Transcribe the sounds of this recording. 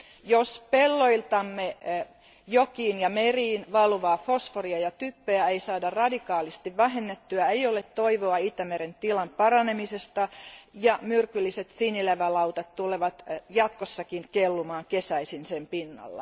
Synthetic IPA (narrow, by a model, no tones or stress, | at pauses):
jospelːo̞ilt̪ɑmːe | jokiːnjɑmeriːnʋɑlʋɑːfo̞sforiɑjɑt̪ypːeæeisɑːdɑrɑdikɑːlist̪iʋʋæɦenːet̪ːyæejolet̪t̪ːo̞iʋoɑit̪æmeɾent̪ilɑmpɑɾɑne̞mise̞st̪ɑjɑmyrkylːiset̪sinileʋælɑwt̪ɑt̪t̪uleʋɑt̪jɑt̪kosːɑkinkelːumɑːŋke̞sæisinsempinːɑ̰lːɑ̰